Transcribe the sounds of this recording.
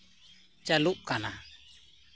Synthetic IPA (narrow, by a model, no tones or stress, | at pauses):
t͡ʃaluʔkana